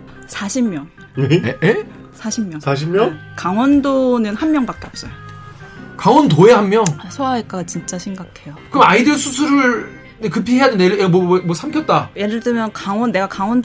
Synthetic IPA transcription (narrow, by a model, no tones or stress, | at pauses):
sʰaɕʰimːjʌŋ | nee | sʰaɕʰimːjʌsʰaɕʰimːjʌŋkaŋwʌndonɯnhanmjʌŋbak͈e̞ʌp̚s͈ʌjo | kaŋwʌntoehamːjʌŋsʰoaek͈aɡat͡ɕint͡ɕ͈aɕʰimɡakʰe̞jokɯɯmaidɯɭsʰus̬ʰuɾɯɭ | nekɯpʰiɦeadɯndeemwʌmwʌsʰamkʰjʌt̚t͈ajeɾɯɭt͈ɯmjʌnkaŋwʌnːe̞ɡakaŋwʌnd